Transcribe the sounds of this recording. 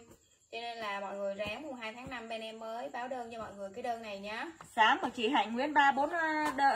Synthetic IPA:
t͡ɕɔ˧ne˧nlaː˨˩mɔ̰˧˨jŋɨ˨˩əjzaː˨˦ŋmʊ˨˩ŋ͡mɦaː˧jt̪ʰaː˨˦ŋna˧mɓɛ˧nɛ˧mːəː˨˦jɓaː˨˦wɗəː˧nt͡ɕɔ˧mɔ̰˧˨jŋɨ˨˩əjkaː˨˦ɗəː˧nːa˨˩jɲaː˨˦saː˨˦mɔ˨˩t͡ɕḭ˧˩hɦa̰ː˧˨jŋŋwḭ˧˥ənɓaː˧ɓo˨˦nɗəː˧˩

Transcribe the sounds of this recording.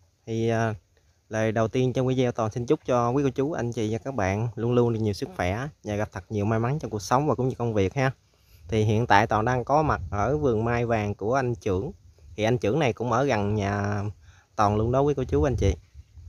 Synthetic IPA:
t̪ʰi˨˩əː˨˩ | ləː˨˩jɗə˨˩wt̪i˧ənt͡ɕɔ˧wi˧˨˦zɛ˧wt̪ɔ˨˩nsi˧nt͡ɕʊ˦˥k͡p̚t͡ɕɔ˧wi˨˦˥kə˨˧˦wt͡ɕu˨˦ʔa˧jŋ̟t͡ɕḭ˧˨ɲaː˨˩kaː˦˥k̚ɓa̰ː˧˨nlu˧ənlu˧ənɗi˨˩ɲi˨˩wsɨ˦˥k̚fwɛ˧˩ɲaː˨˩ɣa˨˩p̚t̪ʰə˨˩t̚ɲi˨˩əwmaː˧jma˨˦nt͡ɕɔ˧ku˨˩ək̚sə˨˦wŋ͡mvaː˨˩kʊ̰˧˥ŋ͡mɲɨ˧kwŋ͡mvi˨˩ək̚haː˧ | t̪ʰi˨˩ɦḭ˧˨ənt̪a̰ː˧˨jt̪ɔː˨˩nɗaː˧ŋkɔ˨˦ma˨˩t̚ʔəː˧˩vɨ˨˩əŋmaː˧jvaː˨˩ŋku˧˩əʔa˧jŋt͡ɕɨ˧˩əŋt̪ʰi˨˩ʔa˧jŋ̟t͡ɕɨ̰˧˩əŋna˨˩jkʊ̰˧˥ŋ͡mʔəː˧˩ɣa˨˩nɲaː˨˩ | t̪ɔ˨˩nlu˧ənɗɔ˨˦wi˨˦kə˨˧˦t͡ɕu˨˦ʔa˧jnt͡ɕḭ˧˨

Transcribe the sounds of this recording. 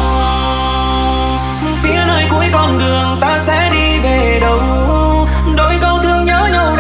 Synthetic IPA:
fi˨˦ənəː˧jku˨˦əjkɔ˧˩nɗɨ˨˩əŋt̪aː˧sɛ̰˧˥ɗi˧ve˨˩ɗə˨˩w | ɗo˧˦jkə˧wt̪ʰɨ˧əŋɲəː˨˦ɲə˨˩wɗ

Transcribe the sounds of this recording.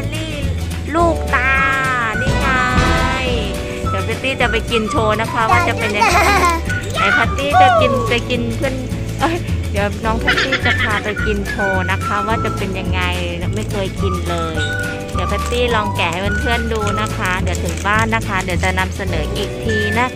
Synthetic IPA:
a˧liː˥˩ | luː˥˩k̚t̪aː˧na˥˩ŋa˧j | di˨˦wpʰa˦˥t̪iː˥˩t͡ɕa˨˩pa˧jki˧nt͡ɕʰoː˧na˦˥kʰa˦˥waː˥˩t͡ɕa˨˩pe˧nja˧ŋ˧˦˧a˧˦ha˨˦jpʰa˦˧˥t̪iː˥˩a˨˩ki˧npa˧jki˧nt̪ʰɯ˥˩ə˨n | ʔoː˦˥˩jdi˨˩˦əwnɔː˦ŋpʰaː˦˥t̪iː˥˩t͡ɕa˨˩pʰaː˧pa˧jki˧nt͡ɕʰoː˧na˦˥kʰa˦˥waː˥˩t͡ɕa˨˩pe˧nja˧ŋːa˧j | n˦˥ma˥˩jkʰɤː˧jki˧nlɤː˧j | di˨˦pʰaː˦˥t̪iː˥˩lɔː˧ŋkɛː˨˩ha˥˩jba˧nt̪ʰɯ˥˩ənduː˧na˦˥kʰa˦˥di˨˩˦əwt̪ʰɯ˩˦ŋbaː˥˩nːa˦˥kʰa˦˥di˨˩˦wt͡ɕa˨˩ʔna˧msa˧nɤː˩˦ʔiː˨˩k̚t̪ʰiː˧na˦˥

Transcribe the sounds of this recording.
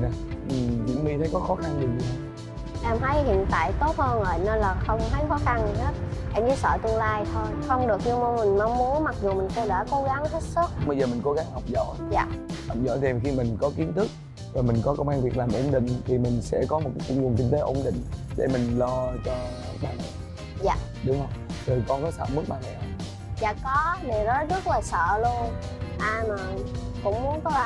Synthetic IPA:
na˨˩ʔɨ˨˩zḭ˧˥ŋvi˧t̪ʰə˨˦jkɔ˨˦xɔ˨˦xa˧nɗɨ˨˩k̚zi˨˩ɦə˧˦ | laː˨˩mɦa˨˦jhḭ˧˨ənt̪a̰ː˧˨jt̪o˦˥t̚həː˧nzoː˨˩jnə˧nlaː˨˩xə˧wŋ͡mt̪ʰə˨˦jxɔ˨˦xa˧nɦe˦˥t̚ʔɛ˧mkɨ˨˦sə̰ː˧˨t̪ɨ˧əŋlaː˧jt̪ʰo˧jxə˧wŋ͡mɗɨ˨˩ək̚ɲɨ˧m˧mï˨˩ŋma˧wŋ͡mmu˨˦ənma˨˩k̚zu˨˩mï˨˩ŋ̟kə˧wɗa̰ː˧˩ko˨˦ɣa˨˦ŋhə˦˥t̚sɨ˦˥k̚ɓə˧jzəː˨˩mï˨˩ŋ̟ko˨˦ɣa˨˦ŋha˨˩wk͡p̚zɔ̰˧˥jza̰ː˨ha˨˩wp̚zɔ̰˧˥˦jt̪ʰi˨˩˨xi˧mï˨˩ŋ̟kɔ˨˦ki˨˦ənt̪ʰɨ˦˥k̚ | zo˨˩jmi˨˩ŋ̟kɔ˨˦kə˧wŋ͡mʔaː˧nvi˨ək̚laː˨˩mʔo˨˧˩ŋ͡mɗḭ̈˧˨ŋ̟t̪ʰi˨˩mï˨˩ŋ̟sɛ̰˧˥kɔ˨˦mo˨˩t̚ka˨˦jkʊ̰˧˩ŋ͡mŋə˨˩ənk̬ï˧ŋt̪e˨˦ʔo̰˧˩ŋ͡mɗḭ̈˧˨ŋ̟ɗḛ˧˩mï˨˩ŋ̟lɔ˧t͡ɕɔ˧ | ɓaː˧na̰˨˩j | za̰ː˨ | ɗʊ˨˦ŋ͡mhə˧wŋ͡mzoː˨˩jkɔ˧nkɔ˨˦sa̰ː˧˨mɨ˦˥k̚ɓaː˧na˨˩ja˨˩˦ | za̰ː˨kɔ˨˦ne˨˩nɔ˨˦zə˦˥t̚laː˨˩sə̰ː˧˨lu˧ənʔaː˧jmaː˨˩kʊ̰˧˥wŋ͡mmu˨˦ənt̪ɔ˧˦˧

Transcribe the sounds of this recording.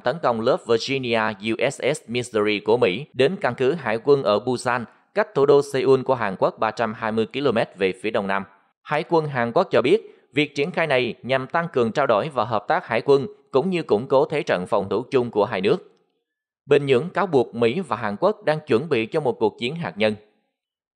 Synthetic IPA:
t̪ə˨˦nkə˧wŋ͡mləː˦˥p̚və˧zi˧ni˧ʔaː˧ju˧ʔɛ˦˥sʔɛ˦˥smi˧sə˧ɾi˧ku˧˩əmḭ˧˥ɗe˨˦nka˧nkɨ˨˦ɦa̰ː˧˩jkwə˧nʔəː˧˩ɓu˧saː˧n | ka˦˥k̟̚t̪ʰu˧˩ɗo˧sə˧jʔu˧nku˧˩əɦaː˨˩nkwə˦˥k̚ɓaː˧t͡ɕa˧mɦaː˧jmɨ˧əjki˧lo˧mɛ˦˥t̚ve˨˩fi˨˦əɗə˧wŋ͡mna˧m | ha̰ː˧˥˩jkwə˧nɦaː˨˩nkwu˦˥k̚t͡ɕɔ˧ɓi˦˥ət̚ | vi˨˩ək̚t͡ɕi˧˩ənxaː˧jna˨˩jɲa˨˩mt̪a˧ŋkɨ˨˩əŋt͡ɕaː˧wɗo˧˩jvaː˨˩ɦəː˨˩p̚t̪aː˦˥k̚haː˧˩jkwə˧nkʊ̰˧˥ŋ͡mɲɨ˧kʊ̰˧˥ŋ͡mko˨˦t̪ʰe˨˦t͡ɕə̰˧˨nfa˨˩wŋ͡mt̪ʰu˧˩t͡ɕʊ˧ŋ͡mku˧˩əɦaː˧jnɨ˦˥ək̚ | ɓï˨˩ŋ̟ɲɨ̰˧˥əŋkaː˨˦wɓu˨˩ək̚mḭ˧˥vaː˨˩ɦaː˨˩nkwk̚ɗaː˧ŋt͡ɕwə˧˩nɓḭ˧˨t͡ɕɔ˧mo˨˩t̚ku˨˩ək̚t͡ɕi˨˦ənɦaː˨˩k̚ɲə˧n

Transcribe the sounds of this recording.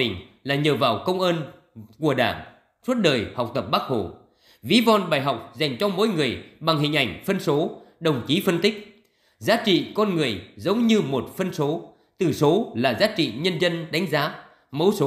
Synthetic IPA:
ï˨˩ŋ̟ | laː˨˩ɲəː˨˩vaː˨˩wkə˧wŋ͡mʔə˧n | ku˧˩əɗa̰ː˧˩ŋ | swə˦˥t̚ɗəː˨˩jhɔ˨˩wk͡p̚t̪ə˨˩p̚ɓaː˦˥k̚ho˧˩ | vi˨˦vɔ˧nɓaː˧˩jɦa˨˩wk͡p̚za˨˩jŋ̟t͡ɕɔ˧mo̰˧˥˦jŋɨ˨˩əjɓa˨˩ŋɦï˨˩ŋ̟ʔa˧˩jŋ̟fə˧nso˨˦ɗə˨˩wŋ͡mt͡ɕi˨˦fə˧nt̪ï˦˥k̟̚ | zaː˨˦t͡ɕḭ˧˨kɔ˧nŋɨ˨˩əjzə˨˦wŋ͡mɲɨ˧mo˨˩t̚fə˧nso˨˦ | t̪ɨ˧˩so˨˦laː˨˩zaː˨˦t͡ɕḭ˧˨ɲə˧nzə˧nɗa˨˦jŋ̟zaː˨˦ | mə˨˦wso˨˦

